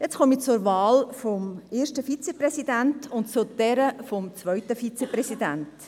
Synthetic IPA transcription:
jɛt͡skɔmit͡sʊɾvɑːlfɔmeːrʃtəfit͡seprɛsidæntʊntt͡sʊd̥ɛɾəfɔmt͡svœʏtəfit͡sepɾɛsidænt

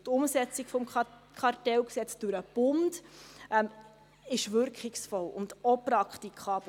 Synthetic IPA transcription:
tʊmsɛt͡sikfɔmkʰɑrtɛlksɛt͡sd̥ʊɾəb̥ʊndʔɛm | ɪʃvʏɾkχɪksfɔlʊ̰ndɔpɾɑkχtikʰɑːb̥

